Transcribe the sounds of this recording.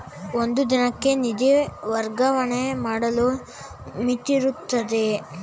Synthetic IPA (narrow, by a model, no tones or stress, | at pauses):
ond̪ud̪inɐkːe̞nid̪eʋɐɾɡɐʋɐɳemaːɽɐlu | mit̪ːiɾut̪ːɐd̪e̞